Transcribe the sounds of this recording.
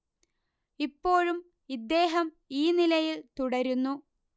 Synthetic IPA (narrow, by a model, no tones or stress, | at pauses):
ipːo̞ːɻum | id̪ːe̞ːɦɐm | iːnilɐjilt̪uɽɐɾunːu